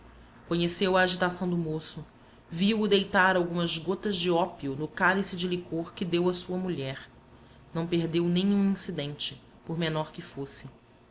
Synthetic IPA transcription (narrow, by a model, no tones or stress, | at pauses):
kõɲesewɐːʒit̪asɐ̃w̃d̪ʊmosʊ | viwʊd̪ejt̪aɾawɡũmɐzɡot̪ɐzd͡ʒɪɔpiʊnʊkalisɪd͡ʒɪlikoɾkɪd̪ewɐsuɐmuʎɛɾ | nɐ̃w̃peɦd̪ewnẽɲũĩsid̪ẽnt͡ʃɪ̥ | poɾmenɔɾkɪfosɪ